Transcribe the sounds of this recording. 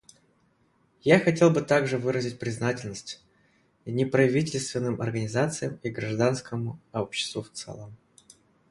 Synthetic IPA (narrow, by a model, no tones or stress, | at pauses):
jaxɐtʲe̞lˠbɨt̪aɡʐɨvɨɾəzʲɪt̚ʲpɾʲɪznatʲɪlʲnəsʲtʲ | nʲɪpɾɐvʲit̬ʲɪlʲst̪vʲɪnːɨmʔɐ̰rɡənʲɪzat̪sɨjəmiɡɾɐʐd̪anskəmʊopɕːɪ̥st̪vʊft̪sɛ̰lˠəm